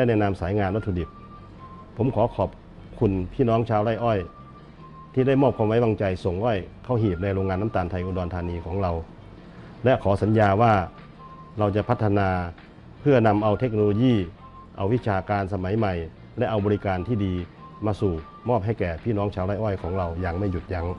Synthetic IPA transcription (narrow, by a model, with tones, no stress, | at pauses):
lɛ˧˨nɛː˧˨na˧msaː˨˦jŋaː˧nwa˧˥t̪ʰːdi˨˩p̚ʰː | o˩˦mkʰɔː˨˦kʰɔː˨˩p̚ | kʰu˧npʰiː˥˨nɔː˦˥ŋt͡ɕʰaː˧wɾa˧˥˩jʔɔː˥˩j | t̪ʰiː˧˩da˥˩jmɔː˥˩p̚kʰwaː˧mwa˦˥jwaː˧ŋt͡ɕa˧jso˨˩ŋʔɔː˧˥˩jkʰa˧˥˩wɦiː˨˩p̚na˧jɾoː˧ŋaː˧nːa˧˥˨t̪aː˨nt̪ʰa˧jʔuː˧dɔː˧nt̪ʰaː˧niː˧kʰɔː˩˦ŋɾa˧w | lɛ˧˥ʔkʰɔː˩˦sa˩˦njaː˧waː˧˩ | ɾa˧wt͡ɕa˨˩pʰa˧˥t̪ʰːa˧naː˧ | pʰɯ˥˩ɐna˧mʔa˧wt̪ʰe˦˥k̚no˧oː˧jiː˧˥˩ | ʔa˧wi˦˥t͡ɕʰaː˧kaː˧nsa˧ma˨˦jma˨˩j | lɛ˦˧˥ʔa˧wbɔː˧ɾi˦˧˥kaː˧nt̪ʰiː˥˩diː˧ | maː˧suː˨˩ | mɔː˥˩p̚ɦa˧˥˩jkɛː˨˩pʰiː˥˩˨nɔː˦˥ŋt͡ɕʰaː˧wɾa˥˩jʔɔː˥˩jkʰɔː˩˦ŋɾa˧wjaː˧ŋma˥˩ju˨˩t̪̚ja˧˩ŋ